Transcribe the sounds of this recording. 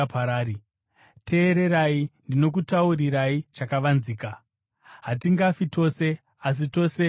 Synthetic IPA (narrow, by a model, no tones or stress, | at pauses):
paɾaːɾi | tʰe̞ːɾe̞ɾaindino̞k̬utauriɾait͡ʃakaʋanziːka | ɦatiŋɡafito̞ːse̞ | as̬ito̞se̞